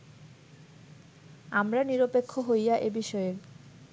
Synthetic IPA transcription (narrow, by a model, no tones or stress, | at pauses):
amɾaniɾopekʰːoɦojaʔebiʃɔeɾ